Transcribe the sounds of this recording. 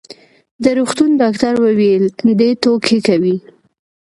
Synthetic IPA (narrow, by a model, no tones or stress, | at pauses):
d̪əɾuxt̪und̪ɑkt̪aɾwəweld̪et̪okʰekawi